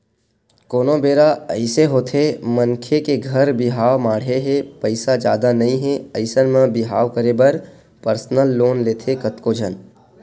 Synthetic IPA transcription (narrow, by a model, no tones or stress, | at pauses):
koːnõbeːɾaəɪseɦoːt̪ʰemə̃ŋkʰekeɡʱəɾbɪɦaːʋmaːɽ̤eɦɛpəɪsad͡ʒjaːd̪anɐɦĩɦɛɐɪsənmãbɪɦaːʋkəɾebəɾ | pəɾsnəlːoːnleːt̪ʰekət̪kod͡ʒʱən